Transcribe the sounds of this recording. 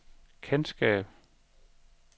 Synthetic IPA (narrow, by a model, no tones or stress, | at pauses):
kʰensɡ̥ɛ̰ːb̥